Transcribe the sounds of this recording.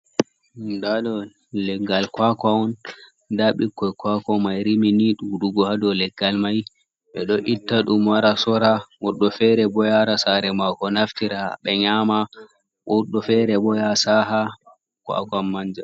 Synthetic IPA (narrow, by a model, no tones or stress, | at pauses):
ndadɔ | lɛɡalkwakɔwɔn | daɓikːɔjkwakɔmajɾiminiɗuɗuɡɔhadɔlɛɡːalmaj | ɓɛɗɔʔitːaɗumwaɾasɔɾawɔɗːɔfɛɾɛbɔjaɾasaɾɛmakɔnaftiɾaɓɛɲama | wɔɗːɔfɛɾɛbɔjasaɦa | kwa̰kanːaɲd͡ʒɛ